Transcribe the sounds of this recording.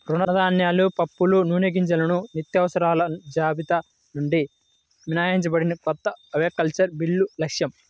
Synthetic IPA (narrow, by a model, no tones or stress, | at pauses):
ɾunɐnɐd̪aːnjaːlupɐpːulunuːneɡiɲt͡ʃɐlɐnunit̪jɐʋɐsɐɾaːlɐd͡ʒaːbit̪ɐ | nuɳɖi | minaːjaiɲt͡ʃɐbɐɽinɐkɔt̪ːɐɐʋeːkːɐlt͡ʃɐɾbilːulɐkʂjɐm